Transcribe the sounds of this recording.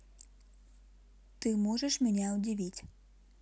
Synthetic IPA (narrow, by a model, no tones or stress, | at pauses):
t̪ɪmɔʒeʃmʲenʲaɔdʲiʋʲitʲ